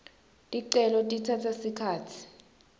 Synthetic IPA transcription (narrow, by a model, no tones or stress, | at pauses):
tʼiǀɛlɔtʼitʰatʰasikʰaːtʰi̥